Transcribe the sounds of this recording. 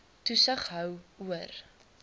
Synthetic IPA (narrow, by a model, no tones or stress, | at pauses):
tusəχɦœwuər